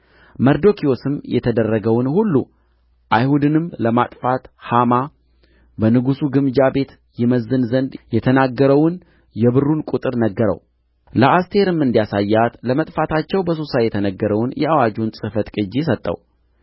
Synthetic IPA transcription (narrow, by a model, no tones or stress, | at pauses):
məɾd̪o̞kʰio̞sɨmjɛ̰t̪ʰəd̪ərːəɡəwnhulːṵ | ʔajhud̪ɨnɨmləmat̪ʼfat̪hama | bənɨɡusuɡɨmd͡ʒabe̞t̪ | jɪməzɨnzənd̪jɛt̪ʰənaɡːəɾəwn | jɛβɨrunkʼut̪ʼɨɾnəɡːəɾə̰w | ləʔast̪ʰe̞ɾɨmɨnd̪ijasajːat̪ləmət̪ʼfat̪ʰat͡ʃːɛwbəsosajɛt̪ʰənəɡːəɾəwnjɛawad͡ʒunsʼɨfət̪kʼɨd͡ʒːis̬ət̪ʼːə̰w